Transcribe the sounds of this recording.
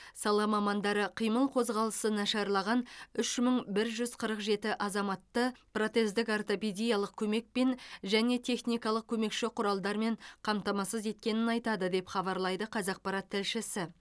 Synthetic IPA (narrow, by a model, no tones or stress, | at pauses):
sɑlˠɑmɑmɑnd̪ɑɾəqʰijməlˠqʰo̞zʁɑlˠəsənɑʃɑɾlˠɑʁɑnʏʃməɴbɪɾʒʏzqʰəɾəqʒe̞t̪ɪʔɑzɑmɑt̪ːəpro̞t̪e̞zd̪ɪkɑrt̪o̞ped̪ijɑlˠəq̚kʲʰɵme̞k̚pe̞nʒæne̞t̪ʲʰe̞χnijkɑlˠəq̚kʲʰɵme̞kʃɪqʰʊɾɑlˠd̪ɑɾme̞ɴqʰɑmt̪ɑmɑsəze̞t̪̚kʲe̞nɪnɑjt̪ɑd̪əd̪e̞pχɑbɑɾlˠɑjd̪əqʰɑzɑq̚pɑɾɑt̪ʰːɪlʃɪsɪ